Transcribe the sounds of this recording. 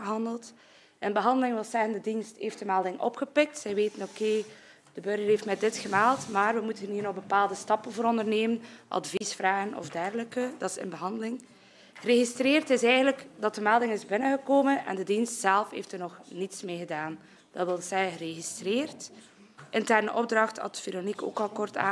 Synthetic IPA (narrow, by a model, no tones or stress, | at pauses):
əɦɑndəlˠt | ʔɪnbəɦɑndəlɪŋʋɪlˠzɛɣəndədinstɦeːftdəmaːlˠdɪŋʔɔ̰pxəpɪk̚tsɛjʋeːtənokeː | d̥əbørɣərɦeːftmɛdɪtxəmaːlˠtmaːrwəmutənɦiːrnɔɣbəpaːlˠdəstɑpənvoːɾɔndərneːmənʔɑ̰dvisfraːɣənɔ̰vdɛrɣələkədɑtɪsɪ̰nbəɦɑndəlɪŋ | əreɣistreːrtɪsɛjɣəndləkdɑtəmɛlˠdɪŋɪzbɪnəɣəkoːmənɛ̰ndədinstsɛlˠfhḛːftərnɔxnitsmeːɣədaːn | d̥ɑtʋɪlˠəsɛjəəreɣistreːrt | ʔɪntɛrnəʔɔb̚drɑxtɑ̰tv̥eɾoniko̰ːkɑlˠkɔrta̰ː